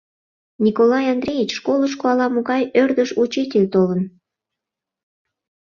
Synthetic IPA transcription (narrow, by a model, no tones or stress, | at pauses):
nʲikolɑjɑnd̪rʲejit͡ɕʃkoləʃ̬koɑlɑmoɣɑjørd̪əʃut͡ɕitʲelʲt̪olən